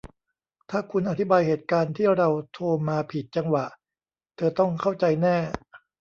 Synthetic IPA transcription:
t̪ʰaː˥˩kʰu˧nʔa˨t̪ʰi˦˥baː˧jheː˨˩t̪̚kaː˧nt̪ʰiː˥˩ɾa˧wt̪ʰoː˧maː˧pʰi˨˩t̪̚t͡ɕa˧ŋwa˨˩ʔ | t̪ʰɤː˧t̪ɔ˥˩ŋkʰa˥˩wt͡ɕa˧jnɛː˥˩

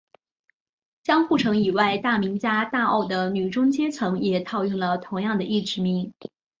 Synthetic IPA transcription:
t͡ɕjɑ˥ŋxu˥˩ʈ͡ʂʰɤ˧˥ŋi˨˩wa˥˧ɪt̪a˥˩mi˧˥ŋt͡ɕja˥t̪a˥˧o̰˥˩ʊd̪ə˩ny˨˩ʈ͡ʂʊ˥ŋt͡ɕjɛ˥t͡sʰɤ˧˥ŋjɛ˨˩t̪ʰɑ˥˧ʊy˥˩ŋlə˩t̪ʰʊ˧˥ŋjɑ˥˩ŋd̪ə˩i˥˩ʈ͡ʂɻ̩˧˥mi˧˥ŋ

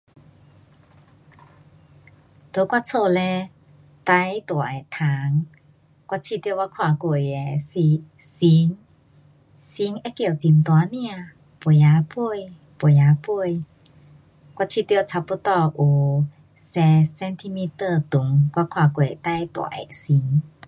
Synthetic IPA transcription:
t̪o˧˦kwa˧t͡sʰo˧lɛ˧ | t̪a˧˦˨jt̪u˨ə˨ʔɛ˨t̪ʰa˨˧˦ŋ | kwa˧t͡ɕʰi˧t̪i˧wa˧˦kʰwa˧˩ku˧˩˨jɛ˨˩si˧ | si˧˦ŋ | si˧˦ŋʔɛ˧˦ki˧˩˨wt͡si˧nt̪u˧a˧˦ni˧a˨ | pu˧˩˨ja˧˦pu˧ə˨j | pu˧˩˨ja˨˧˦pu˧ə˨j | kwa˧t͡ɕʰi˧˨t̪i˧ə˧t͡sʰa˧˩pu˧˦t̪ɔ˧ʔu˧˩ | sɛ˧sɛ˧nt̪ʰi˧mi˧˥t̪ə˧˩t̪u˨˦ŋkwa˧kʰwa˧˩ku˧˨˩jt̪a˧˥jt̪ṵ˧˨ə˨˦ʔɛ̰˨˧˨si˧˦ŋ

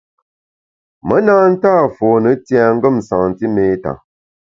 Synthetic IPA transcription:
mə˨˦naː˦n̩˦taː˦˨fo˨nə˨˦tja˨ŋ̩˦ɡə˦˨m˨sã˨ŋn˨ti˦meː˦ta̰˨

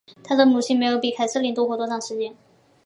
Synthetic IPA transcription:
t̪ʰa˥d̪ə˨mu˨˩ɕʰi˥ŋme˧˥ɪjo˧˥ʊpi˨˩kʰa˨˩ɪsɤ˥˩li˥nt̪wɔ˥kwɔ˧˥t̪wɔ˥ʈ͡ʂʰɑ˥˩ŋʂɻ̩˧˥t͡ɕjɛ˥n

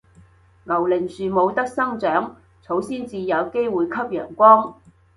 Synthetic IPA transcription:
ŋɐ˨˩wlɪ˨˩ŋsyː˨mo˨˧wt̪ɐ˥k̚sɐ˥ŋt͡ʃœː˨˥ŋ | t͡sʰo˨˥wsiː˥nt͡siː˧jɐ˨˧wke˥jwuː˨˧jkʰɐ˥p̚jœ̰ː˨˩ŋkʷɔː˥ŋ

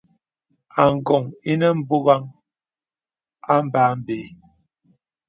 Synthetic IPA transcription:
a˨ŋ˨ɡɔ˨ŋi˦nə˦m̩˦bu˦ɣa˦ŋ | a˦m˦˨ba˨˦m˦beː˨˦

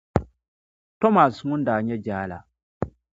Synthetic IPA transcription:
tɔ˦ma˨sŋʊ˦n˦daː˨ɲɛ˦d͡ʒaː˦la̰˨

